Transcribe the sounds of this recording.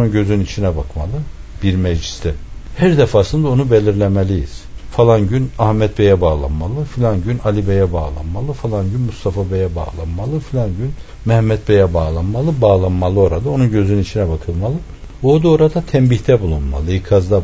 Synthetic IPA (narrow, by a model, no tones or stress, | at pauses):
nunɟø̞zynynit͡ʃʰinɛbakmalˠɯ | b̥iɾmɛd͡ʒli̥st̪ɛhæɾd̪ɛfaːsɯnd̪aonubelʲiɾlʲemelʲijḭz̥falˠanɟynahmɛt̪̚bɛjɛbaːlˠa̰nmalˠɯfilʲanɟynalʲibejɛbaːlˠa̰nmalˠɯfalˠanɟynmust̪ʰafabejɛba̰ːlˠa̰nmalˠɯfilʲanɟyn | mɛhmːɛt̪̚bejɛbaːlˠanmalˠɯbaːlˠanmalˠɯo̞ɾad̪ao̞nunɟø̞zynynit͡ʃʰinɛbakʰɯlˠmalˠɯ | oːd̪oɾad̪at̪ʰɛmbiçt̪ʰɛbulˠunma̰lˠɯikʰazd̪a